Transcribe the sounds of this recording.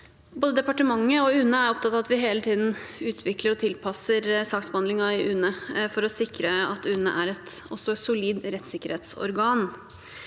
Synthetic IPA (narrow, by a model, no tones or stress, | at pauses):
boːd̪əd̪ɛpɑʈəmɑŋːəɔʉnːəæɾɔp̚t̪ʰɑt̪ɑːʋɑt̪ʋɪɦeːlət̪ʰiːd̪n̩ʉːt̪ʰʋɪkləɾɔt̪ʰɪlpʰɑsəɾsɑːksbəhɑnd̪lɪŋɑɪʔʉnəfɔɾɔsɪkɾəɑt̪ʉnə̰ʔæɾɛt̪ɔsːɔsʊliːd̪ɾɛt̪ːsɪkəɾheːt̪sɔ̰ɾɡɑːn